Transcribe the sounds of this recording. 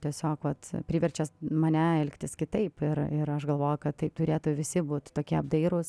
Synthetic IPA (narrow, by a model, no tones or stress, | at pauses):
t̪ʲiɛsʲoːkʋɐt̪pʲɾʲiːʋʲɛrʲt͡ʃʲɛsmɐnʲɛɛlʲkt̪ʲɪskʲɪt̪ɐɪpɪɾɪɾɐʃɡɐlˠʋoːjʊkɐt̪t̪ɐɪp̚t̪ʊɾʲeːt̪ʊʋʲɪsʲɪbuːt̪ʲt̪oːkʲiɛɐbd̪ɐɪɾʊs